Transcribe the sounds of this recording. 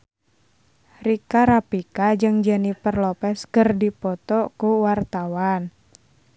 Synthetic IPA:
rikaɾapikad͡ʒɨŋd͡ʒanipərlɔpɛskərdipɔt̪ɔkuwart̪awan

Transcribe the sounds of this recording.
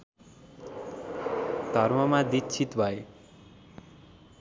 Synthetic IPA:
d̪ʱʌɾmʌmad̪itt͡ʃʰit̪bʱʌe

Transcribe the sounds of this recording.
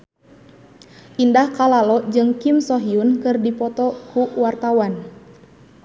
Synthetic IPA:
ʔindahkalalɔd͡ʒɨŋkimsɔɦiunkɨrdipɔt̪ɔkuwart̪awan

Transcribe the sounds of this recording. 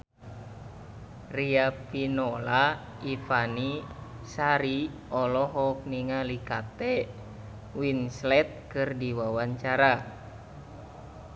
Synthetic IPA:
riapinola | ifani | saɾi | ɔlɔɦɔk̚niŋalikat̪ɛ | winslɛt̪̚kɨrdiwawaɲt͡ʃaɾa

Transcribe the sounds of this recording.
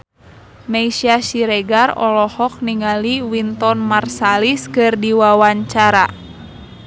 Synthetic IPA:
meisiasiɾɛɡarɔ̰lɔhɔk̚niŋaliwint̪ɔnmarsaliskɨrdiwawaɲt͡ʃaɾa

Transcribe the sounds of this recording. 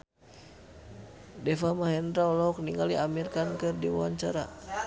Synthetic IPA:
dɛfamaɦɛnd̪ɾaulɔɔk̚niŋɡaliamirkankɨrdiwa̰wa̰ɲt͡ʃaɾa̰

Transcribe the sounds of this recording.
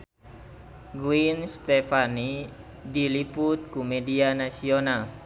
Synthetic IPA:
ɡuinst̪ɛfani | diliput̪̚kumɛdianasional

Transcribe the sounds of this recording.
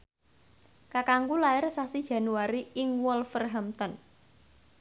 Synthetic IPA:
kakaŋkulaɪrsasid̥ʒ̥a̤nuaɾiɪŋwɔlfərɦamt̪ɔn

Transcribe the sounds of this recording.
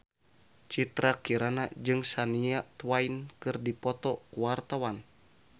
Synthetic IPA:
t͡ʃit̪ɾakiɾanad͡ʒɨŋsaniat̪wainkɨrdipɔt̪ɔkuwart̪awan

